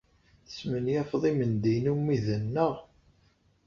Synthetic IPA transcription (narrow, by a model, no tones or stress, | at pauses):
θə̥smənjæfðˤimənd̪inumːiðənːəʁ